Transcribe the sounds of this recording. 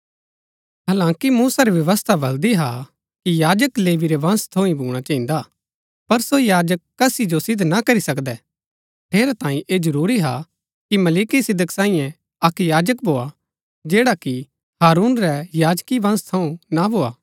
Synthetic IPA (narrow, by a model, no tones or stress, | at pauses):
ɦɐːlãːkimuːsaɾɛʋjɐʋəst̪ʰabɐld̪iɦa̰ | kijaːd͡ʒəkleːʋiɾɛʋɐ̃nst̪ʰoːĩbʱuːɽ̃at͡ʃɐɦĩnd̪a | pɐɾsojaːd͡ʒəkːɐsid͡ʒosɪd̪ʱnakɐɾisɐkd̪ɛ | ʈʰeːɾat̪ãːĩʔed͡ʒɐɾuːɾiɦa | kimɐliːkisɪd̪ʱəksãːĩjɛ̃ | ɐkjaːd͡ʒək̚bʱoːa | d͡ʒeːɽaki | haːɾuːnɾɛjaːd͡ʒkiʋɐ̃nst̪ʰɐũnabʱoːa̰ː